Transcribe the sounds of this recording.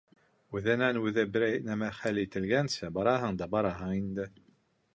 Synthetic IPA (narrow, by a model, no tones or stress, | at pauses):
wuðænænwuðæbɾæjnæmæɾχælit̪əlʝænsæbɑɾˤɑɦænd̪ɑbɑɾˤɑɦæind̪æ